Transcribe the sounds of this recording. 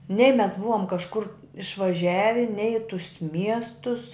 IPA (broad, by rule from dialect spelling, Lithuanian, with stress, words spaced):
nʲɛɪ mʲɛs ˈbʊʋoːm kɐʃˈkʊr ɪʃʋɐˈʒʲæːʋʲɪ nʲɛɪ ɪ tʊs ˈmʲiɛstʊs